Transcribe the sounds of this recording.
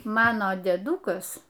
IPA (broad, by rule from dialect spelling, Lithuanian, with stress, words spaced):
ˈmɑːnoː dʲeːˈdʊkɐs